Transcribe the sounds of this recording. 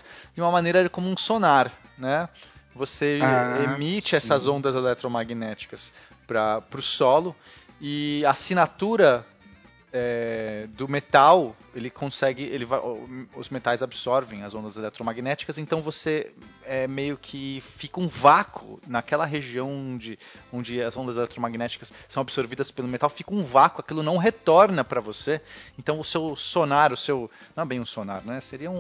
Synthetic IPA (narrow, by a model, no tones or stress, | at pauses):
d͡ʒɪũmɐmɐ̃nejɾɐkõmũsonaɾ | nɛvoseemit͡ʃɪɛsɐzõnd̪ɐzelɛt̪ɾomaɡinɛt͡ʃi̥kɐs | pɾɐpɾʊsɔlʊ | ɪasinat̪uɾɐ | ɛd̪ʊmet̪aw | elɪkʰõsɛɡɪelɪvaʊ̰zmet̪ajzabɪsɔɾvẽj̃ɐzõd̪ɐzelɛt̪ɾomaɡinɛt͡ʃi̥kɐsẽnt̪ɐ̃w̃voseɛmejʊkʰɪfikɐũvakʰʊ̰nɐkɛlɐɦeʒiɐ̃w̃õd͡ʒɪõnd͡ʒɪɐzõnd̪ɐzelɛt̪ɾomaɡinɛt͡ʃi̥kɐssːɐ̃w̃absoɾvid̪ɐspelʊmet̪awfikɐũvakʊakilʊnɐ̃w̃ɦet̪ɔɾnɐpɾɐvoseẽnt̪ɐ̃w̃ʊsewsonaɾʊsewnɐ̃ɛbẽj̃ũsonaɾnɛseɾiɐũ